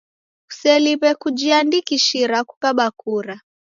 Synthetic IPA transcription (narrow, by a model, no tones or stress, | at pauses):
u̥sɛliβɛkud͡ʒiandikiʃiɾaku̥kaɓakuɾa